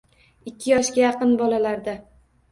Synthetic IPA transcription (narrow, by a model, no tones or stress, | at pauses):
ɪkʲːɪjɒʃkʲajɑqɨnbɒlalaɾd̪a